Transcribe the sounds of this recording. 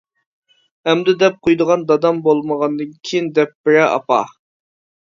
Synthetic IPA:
ɛmd̪ɪd̪ɛp̚qʰojd̪əʁɑnd̪ɑd̪ɑmbolˠməʁɑnd̪ɨnkʲʰijind̪ɛp̚b̥ɪɾɛɑ̰pɑ̰

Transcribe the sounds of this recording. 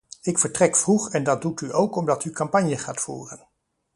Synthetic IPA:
ɪkfəɹtrɛkfruχɛndɑd̚dutyʔowkɔmdɑtykɑmpɑɲjəχaːtfṵːrən

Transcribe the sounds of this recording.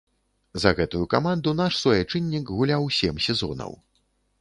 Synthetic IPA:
zɐɣɛt̪ujukamand̪unaʂsvɔjɛt͡ʂɨnʲːikɣulʲawsʲɛmsʲɛzɔ̰nɐ̰w

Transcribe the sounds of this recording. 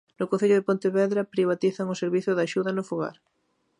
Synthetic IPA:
nʊkon̟θeʎʊðepont̪eβɛðɾɐpɾiβ̞at̪iθɐŋʊseɾβiθʊðɐaʃuðɐnʊfoɣa̰ɾ

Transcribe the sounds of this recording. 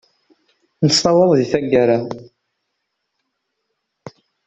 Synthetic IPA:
nəstˤɑwɑðˤðiθæɡːaɾa

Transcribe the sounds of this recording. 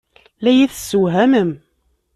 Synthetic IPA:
læjiθsuɦæməm

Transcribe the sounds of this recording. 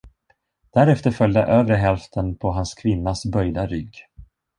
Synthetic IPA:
d̪̥æɾɛft̪əɾfœljd̪ə̰ʔøːvɾəɦɛlft̪ʰənpʰɔɦanskʰvɪnːasbœjd̪aɾʏɡː

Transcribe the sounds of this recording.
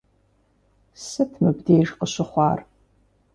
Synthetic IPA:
sɨtʰmɨbdeːʐqəɕɪχʷɑːr

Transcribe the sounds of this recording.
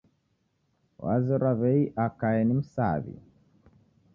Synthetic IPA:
wa̰ziɾwaβɛiʔakajɛnim̩sa̰βḭ

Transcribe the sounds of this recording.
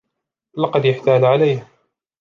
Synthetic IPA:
lɑqɑd̪jaħt̪aːd͡ʒʕalajh

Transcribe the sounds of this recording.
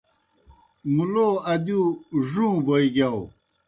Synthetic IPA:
muloːɐd̪juʐũːboiɡaw

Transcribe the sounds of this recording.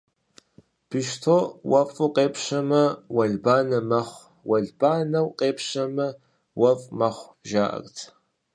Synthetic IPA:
pʰɨʃtʰoːwɐfʼuqʼeːpɕɐmɐwɐɮbaːnɐmɐχʷ | wɐɮbaːnɐwqʼeːpʰɕɐmɐ | wɐvʼmɐχʷʒaːʔɐ̰rtʰ

